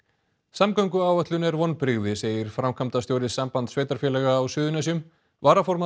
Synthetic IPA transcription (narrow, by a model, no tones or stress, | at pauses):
samkœɥŋkʏaːwvœht̪lʏnɛɾvɔnpɾɪɣðɪseːjɪɾ̥fɾamkʰamt̪ast̪jowɾɪsampant̪sveːjt̪aɾ̥fjɛlɛːɣaːwsʏːðʏnajs̬ʏm | vaːɾafɔɾma